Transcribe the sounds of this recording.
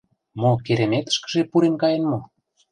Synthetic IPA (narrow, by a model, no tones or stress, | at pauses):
mokeɾemet̪ə̥̆ʃkə̥̆ʒepuɾemkɑjenmo